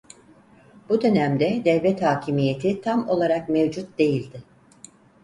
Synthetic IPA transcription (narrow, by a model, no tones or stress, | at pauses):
b̥ud̪ø̞næmd̪ɛd̪ɛvvɛt̪haːcʰimije̞t̪ʰit̪ʰamo̞lˠaɾakmevd͡ʒut̪̚d̪e̞jilʲd̪ɪ